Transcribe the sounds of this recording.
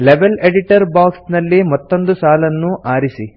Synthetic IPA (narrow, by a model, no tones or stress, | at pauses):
leʋeleɽiʈɐɾbaːksnɐlːimɐt̪ːo̞nd̪usaːlɐnːuʔaːɾisi